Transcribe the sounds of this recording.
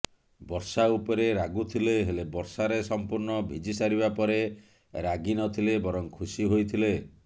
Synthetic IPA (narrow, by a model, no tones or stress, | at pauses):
bɔɾsaupɔɾeɾaɡut̪ʰileɦelebɔɾsaɾesɔmpuɾnɔbʱid͡ʒisaɾibapɔɾe | ɾaɡinɔt̪ʰilebɔɾɔŋkʰusiɦojt̪ʰile